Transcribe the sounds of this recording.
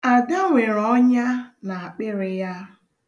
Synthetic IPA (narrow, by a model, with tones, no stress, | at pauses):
a˨de˦ŋʷe˨ɾɔ˦ɲa˦na˨a˨k͡pɪ˦ɾɪ˨ja˦